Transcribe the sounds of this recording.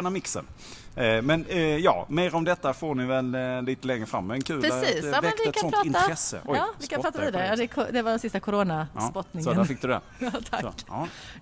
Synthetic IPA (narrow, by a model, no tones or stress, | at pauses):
namɪksə̰n | mɛnjɑ̰ːmeːɾɔmd̪ɛt̪ːafoːnɪvɛlːiːt̪əlɛŋɾəfɾa̰mːɛɛnkʰʉ̟ːlɾɛsiːsɛkɛtk̪sɔnɾɑɪnɾɛsːə̰ʔɔɑːvɪkːaɾɑːaɪd̪ɛjɑd̪ɛkʰd̪ɛvadɛnsɪst̪akʰʊɾoːnaspɔt̪nɪŋɔd̪æfɪk̚d̪ɵd̪d̪ɛ̰ | ɑt̪ʰa